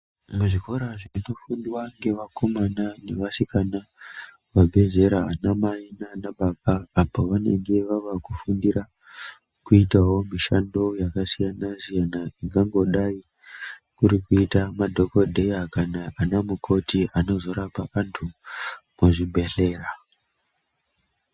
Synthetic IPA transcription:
muʐiko̞ɾaʐino̞fundiwaŋɡe̞ʋako̞manane̞ʋasikana | ʋabʱe̞ze̞ɾaɦanamainanaɓaɓaːpoʋane̞ŋɡe̞ʋaʋakufundiɾa | kuitawo̞miʃando̞jakasijanasijanaiŋɡaŋɡo̞ɗai | kuɾikuitamadʱo̞kodʱe̞jakanaːnamukʰo̞tiʔano̞zo̞ɾapaʔantʰumwaʐibe̞ɬe̞ːra

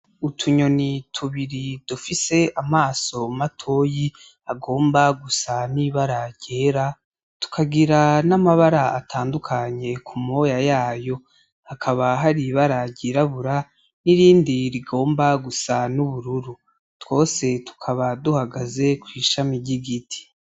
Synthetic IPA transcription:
utʰuɲo̞nitʰuβiɾid̥ufise̞amaːso̞matʰo̞ːji | aɡo̞ːmbaɡusaniːβaɾaɟɟ̥eːɾa | tu̥kʰaɡiɾanamaβaɾaatʰaːndukʰaɲe̞kʰumo̞jajaːjo̞ | hakʰaβaɦaɾiβaɾaɟeːɾaβuɾa | niɾiːndiɾiɡo̞ːmbaɡusanuβuɾuɾu | tw̥o̞ːse̞tu̥kʰaβaduhaɡaze̞kwiːʃamiɟiɡitʰi̥

